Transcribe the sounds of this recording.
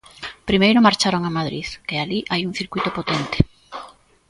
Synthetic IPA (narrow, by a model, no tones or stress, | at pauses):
pɾimejɾomaɾt͡ʃaɾoŋamaðɾiðkealiʔajuŋθiɾkwjt̪opot̪ent̪e̥